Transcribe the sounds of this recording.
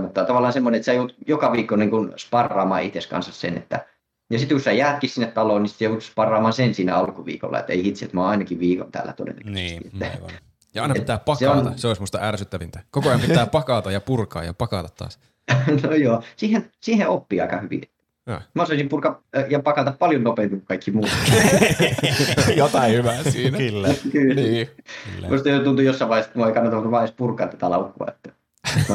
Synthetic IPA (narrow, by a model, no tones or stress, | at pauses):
mut̪ːɑt̪ɑʋɑlːˑɑːnsemːoneet̪seæjot̪jokɑʋiːkːoniŋkunspɑrːɑːmɑ̰ːit̪eskɑ̰nsɑssḛnḛt̪ːæ̰ | jɑsit̪kusæjæːt̪̚kissinːet̪t̪ɑloːnnisi̥t̪jout̪spɑrːɑːmɑːsensiːnæɑlkuʋḭːko̰lːɑ̰ḛt̪ːḛihit̪sḛt̪mɑɑinɑkiʋʋiːko̰nt̪æ̰ːlːæ̰t̪o̰dḛlːḛknsḭeːæ̰ | jɑɑˑinɑeit̪ːæːppɑkseɑont̪ɑseoˑismust̪ɑærsyt̪ːæʋint̪ækokoɑjɑmpiæːpɑkɑt̪ɑjɑpurkɑ̰ːjɑ̰pɑkɑt̪ɑt̪ːɑ̰ːs | nojoːsiːhensiːheʔopːiɑ̰ˑikɑ̰hyʋḭet̪ːæ̰ | mæɑsoˑisimpurkɑjɑpɑkɑt̪ɑppɑljonnopeˑmikukkɑikːimuːt̪kː | jot̪ɑihyʋæsiːnæylːækyːliːlːmust̪ɑjot̪unt̪ujosːɑˑiʋɑihesmoeikɑnːɑt̪ɑnuʋɑˑespurkˑɑ̰nt̪ːæt̪ælɑ̰ukːˑoɑ̰et̪ːæ | no